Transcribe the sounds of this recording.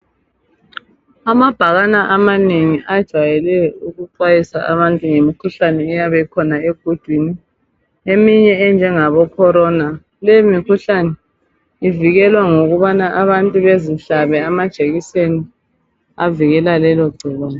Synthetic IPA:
amab̥ʱaɣanaʔamaneŋiʔad̥ʒ̥ʱajɛlɛuɣuǀwajisa̰ʔaβantʼuŋemikʰuɬanɛːjaβɛikʰɔnaeɡ̥ʱod̥ʱwini | emiɲɛːnd͡ʒʱɛŋaβɔkʰɔɾɔna | lɛimikʰuɬanɛ | iviɣɛlwaŋoɣuβanaʔaβantʼuβeziɬaβɛamad̥ʒ̥ʱeɣiseni | a̰viɣɛlalɛlɔɡ͡ǀʱiɣaːnɔ

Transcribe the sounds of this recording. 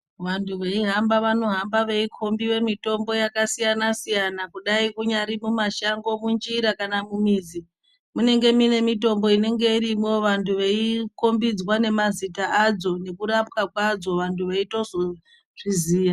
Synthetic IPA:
ʋantʰuʋeiɦambaʋano̞ɦambaʋe̞ikʰo̞mbiʋe̞mito̞mbo̞jakasijanasijanakuɗaikuɲaɾimumaʃaŋɡo̞mund͡ʒiɾakanamumiːd͡zi | mune̞ŋɡe̞mine̞mito̞mbo̞ine̞ŋɡe̞iɾimo̞ʋantʰuʋeiko̞mbid͡zwane̞mazitaad͡zo̞ne̞kuɾap̚kakwad͡zo̞ʋantʰuʋeito̞zo | ʐ̥iziːja

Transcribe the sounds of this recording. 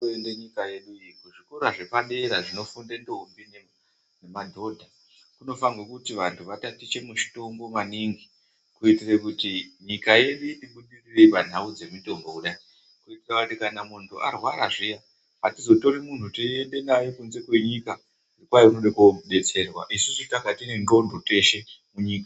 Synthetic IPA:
endeɲikaje̞ɗuikuʐikoɾaʐepande̞ɾaʐino̞fundendoɦumbine | nemadʱo̞dʱa | kuno̞faŋɡokutiʋantʰuʋatatit͡ʃe̞muʃi̥to̞ŋɡo̞maniŋɡi | kuitirekutiɲikaje̞ɗitiɓuɗirirepan̤aud͡ze̞mito̞mbo̞uɗai | kuitirakutikanamuntʰuʔarwaɾaʐija | ɦatizo̞to̞ɾemun̤utie̞nde̞najokunze̞kwe̞ɲika | ʐirikwajounoɗekoɓe̞t͡se̞rwaʔisusitakatine̞ndo̞ndʱote̞ʃe̞muɲiːka

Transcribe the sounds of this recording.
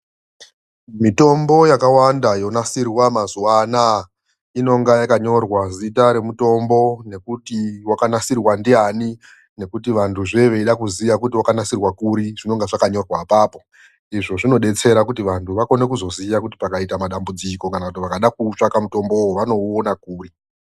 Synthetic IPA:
mito̞mbo̞jakawandajo̞nasirwamazuwana | ino̞ŋɡajakaɲo̞rwazitaɾe̞muto̞mbo̞ne̞kutiwakanasirwandiani | ne̞kutiʋantʰuʐe̞ʋe̞iɗakuzijakutiwakanasirwakuɾiʐ̥ino̞ŋɡeʐakaɲo̞rwapaːpo̞ | iʐo̞ʐino̞ɗe̞t͡se̞ɾakutiʋantuʋako̞ne̞kuzo̞zijakuti̥pakaitamaɗambud͡ziko̞kanakutiʋakaɗakut͡ʂakamuto̞mbowoʋano̞ːnakuːri

